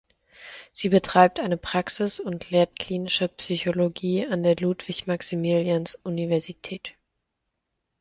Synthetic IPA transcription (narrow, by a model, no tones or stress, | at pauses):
z̥iːbətʁ̥aɪp̚tʔaɪnəpʁ̥aksɪsʊntʰleːɐt̚kʰl̥iːnɪʃəpsyçoloɡiːandeːɐluːtv̥ɪçmaksimiljansʔunivɛɐzitʰɛːt